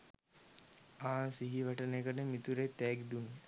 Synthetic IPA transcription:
aːsiɦiʋaʈənekəʈəmit̪uɾet̪ɛːɡd̪un

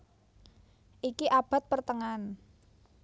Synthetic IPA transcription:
ʔikiʔab̥a̤t̪̚pərt̪əŋan

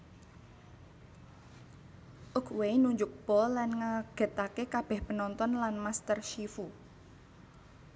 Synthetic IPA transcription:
ʔʊkʰweinuɲd͡ʒʊk̚b̥ɔlanŋaɡ̥ɛ̤t̪akekab̥ɛ̤hpənɔnt̪ɔnlanmast̪ərʃifu

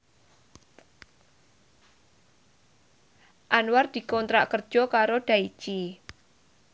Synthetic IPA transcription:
ʔanward̪̥i̤kɔnt̪ɾaʔkər̥ʒ̥ɔ̤kaɾoɖ̥a̤i̥t͡ʃi

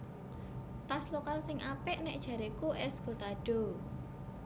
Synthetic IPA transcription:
t̪aslokalsɪŋʔapɛʔnɛʔd̥ʒ̥a̤ɾekuʔɛsɡ̥o̤t̪aɖ̥o̤

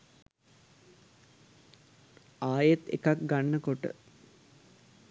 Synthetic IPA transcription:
aːjet̪ḛkak̚ɡanːəkoʈə̰

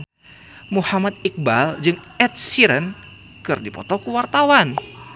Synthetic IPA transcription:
muhamat̪̚ik̚bald͡ʒɨŋɛt̪̚siɾən | kɨrdipɔ̰t̪ɔkuwart̪awan

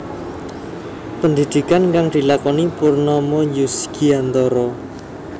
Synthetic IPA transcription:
pənd̪id̪̥i̤kanŋkaŋd̪̥i̤lakɔnipurnɔmɔjusɡ̥iant̪ɔɾɔ

